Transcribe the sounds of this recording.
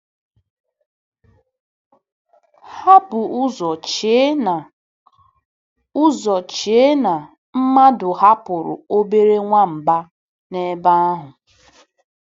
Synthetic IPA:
ha˦bʊ˨ʊ˦zɔ˨t͡ʃ | ʊ˦zɔ˨t͡ʃe˨˦na˨ | m̩˦ma˦dʊ˨ha˦pʊ˨ɾʊ̰˨o˦be˦ɾe˦ŋʷa˦m̩˨ba˦ | ne˦ba˦a˦ɦʊ˨

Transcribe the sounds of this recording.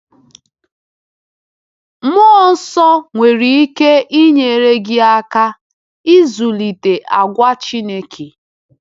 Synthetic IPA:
m˦ɔ˦˨n̩˦sɔ˦ŋʷe˨ɾi˨i˦ke˦i˦ɲe˨e˨ɾe˦ɡɪ˦a˦ka˦ | i˦zu˨li˨te˨ʔa˨ɡʷa˦t͡ʃi˦ne˦kʰi˨

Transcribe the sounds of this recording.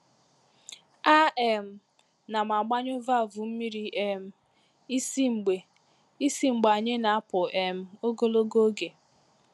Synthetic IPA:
a˦ʔe˨m̩˦ | na˨ma˨ɡ͡ba˦ɲ˦o˦va˦˨vu˨m̩˦mi˦ɾi˦ʔe˦m̩˦ | i˦si˦ŋ͡m̩˨ɡ͡be˨ | i˦si˦ŋ͡m̩˨ɡ͡ba˨ɲe˦na˨a˦pʊ˨ʔe˨m̩˦o˦ɡo˦lo˦ɡo˦ɡe˨

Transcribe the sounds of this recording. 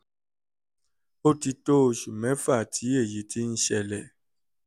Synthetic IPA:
o˦ti˧to˦˧˨ʃu˨mɛ̃˨˦fa˦˨tʰi˨˦e˦˨ji˨˦tʰi˦n̩˦ʃɛ˧lɛ˨

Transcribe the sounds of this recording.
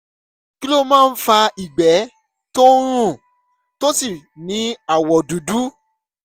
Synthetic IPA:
ki˦lo˦mãː˦˧n̩˦fa˧i˨ɡ͡bɛ˨˦ | to˦ɾ̃ũ˦˨ | to˦si˦˨nĩ˨˦a˨wɔ˨du˨˦du˦

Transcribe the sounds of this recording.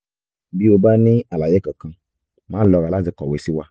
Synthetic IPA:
bi˦wo˨ba˦nẽ˦a˨la˨je˦kə˨kã˦ | mã˦lɔ˨ɾa˨la˦ze˨kɔ˨we˨si˦wa˦

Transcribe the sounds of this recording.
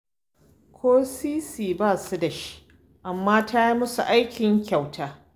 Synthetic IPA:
kʷʰoː˦siː˦siː˨baː˦˨su˦da˨ʃi̥˦ | ʔa˨mːaː˦tʰa˦i˦mʊ˦sṵ˨ʔa˦jkʲɪ˨ŋkʲa˨wtʰaː˦

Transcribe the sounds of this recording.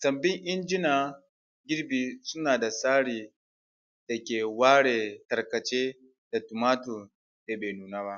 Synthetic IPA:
sɐ˨mbɪ˦ŋʔɪ˦nd͡ʒɪ˦naː˨ | ɡʲɪ˦ɽbiː˨sʊ˦naː˨da˨saː˦ɽiː˨ | d̥a˨kʲeː˨waː˦ɽeː˨tɐ˨rkɐ˨t͡ʃeː˦ | da˨tu˨maː˦tu˨ | da˨beː˨nuː˨naː˦βa˦ʔ

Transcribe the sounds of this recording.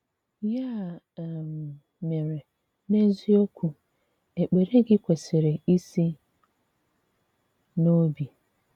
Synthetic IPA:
ja˦˨ | m̩˨ | me˨ɾe˨ | ne˦zi˦o˦kʷʰu˨ | e˨k͡pe˨ɾe˦ɡɪ˦kʷe˨se˨ɾe˨i˦si˦ | no˦bi˨

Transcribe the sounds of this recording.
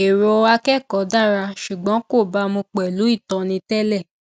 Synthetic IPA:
e˨ɾo˧˦a˧kɛ˦˨kɔ˨˦da˦˨ɾa˧ʃu˨ɡ͡bɔ̃˨˦ko˦˨ba˧˦mũ˧k͡pɛ˨lu˨˦i˦˨tɔ̃˧nĩ˧tɛ˦lɛ˦˨

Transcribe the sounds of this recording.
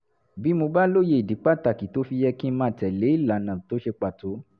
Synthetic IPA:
bi˨˦mo˧ba˦lo˦je˧˦i˨di˨˦k͡pa˦˨ta˨ki˨to˨˦fi˧jɛ˧ki˦mãː˦˨tɛ˨le˨˦i˦˨la˨nã˨to˨˦ʃe˧k͡pa˨to˨˦

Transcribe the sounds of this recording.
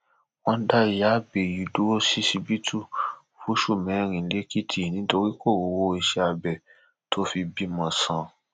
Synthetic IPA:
w̃ɔ̃˧˦da˦˨ja˨˦be˨ju˨du˦wo˦si˦si˧bi˦tʰu˦˨ | fu˦ʃu˦˨mɛ̃˨˦ɾ̃ĩ˨˦le˦ki˦tʰi˦˨nĩ˨˦to˧ɾi˦ko˦˨wo˨˧wo˧˦˧i˧ʃɛ˧a˧bɛ˨ | to˦fi˧bi˦mɔ̃˧sã˧

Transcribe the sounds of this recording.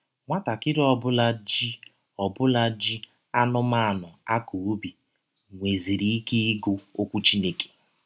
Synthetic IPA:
ŋʷa˦ta˨kɪ˦ɾɔ˦bʊ˦la˦d͡ʒi˦ | ɔ˨bʊ˦la˦d͡ʒi˦ | a˦nʊ˦ma˦a˨nʊ˨a˦ku˨o˦bi˨ | ŋʷe˨zi˨ɾi˦i˦ke˦i˦ɡo˦o˦kʷu˦t͡ʃi˦ne˦ke̥˨

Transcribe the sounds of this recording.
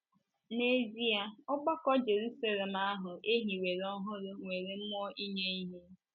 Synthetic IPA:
ne˦˨zi˦a˦ʊ˦ɡ͡ba˦kɔ˦d͡ʒe˨ɾu˦sa˦le˨m̩˨a˦ɦʊ˨e˦ɦi˨we˨ɾɔ˦ɦʊ˦ɾʊ˦ŋʷe˨ɾe˨m̩˦mɔ˦ʔi˦ɲe˦i˦ɦe˦

